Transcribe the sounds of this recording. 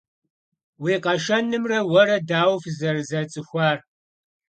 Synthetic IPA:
weːqɐʃɐnɨmrɐwɐɾɐdaːwfzɐrzɐt͡sʼɨxʷɑːr

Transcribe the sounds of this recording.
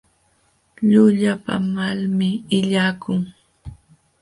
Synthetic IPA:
ʎʊʎapa̰malmɪɪʎaːkʊŋ

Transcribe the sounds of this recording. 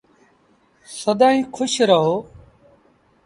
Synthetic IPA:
səd̪aːĩːkʰʊʃɾəɦoː

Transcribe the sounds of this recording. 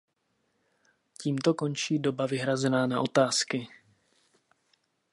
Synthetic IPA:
ciːmt̪o̞ko̞nt͡ʃiːdo̞bavɪɦɾazɛnaːnaʔo̞t̪aːskɪ

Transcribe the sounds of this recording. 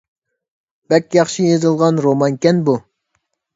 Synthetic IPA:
bɛkʲjɑχʃijezɨlˠʁɑnɾomɑŋkʲɛnbu

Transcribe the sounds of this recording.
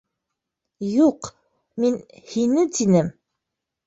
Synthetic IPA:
juq | minhinɘt̪inɘm

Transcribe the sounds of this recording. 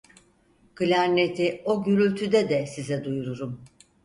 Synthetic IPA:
ɡ̥ɯlʲæɾnet̪ʰio̞ɟyɾylʲt̪ʰyd̪ɛd̪ɛsizɛd̪ujuɾuɾum

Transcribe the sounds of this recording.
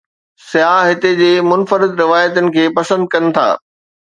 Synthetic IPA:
sɪjaːɦɪt̪ed͡ʑeːmʊnfəɾɪd̪ɾɪʋaːjət̪ʊnɪ̆kʰeːpɐsə̃nd̪̚kɐnɪ̆t̪ʰa̰ː

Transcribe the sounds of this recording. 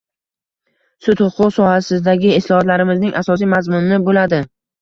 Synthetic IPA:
sʊt̪hʊqʰʊqsɒhasɪzd̪aɡʲɪɪslˠɒhɒt̪laɾɪmɪznɪŋʔasɒsijmazmʊnːɪbolad̪ɪ

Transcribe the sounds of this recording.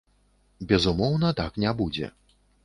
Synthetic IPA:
bʲɛzumɔwn̪ɐt̪aknʲabud͡zʲɛ̰

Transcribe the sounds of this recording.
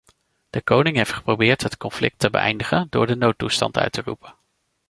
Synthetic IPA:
d̥əkownɪŋɦejftχə̥prowbɪːɹtɦətkɔnflɪk̚təbə̰ʔɛ̰jndəχəndʊ̰ːɹdənowtːustɑ̰ntœ̰ɥtərṵpən

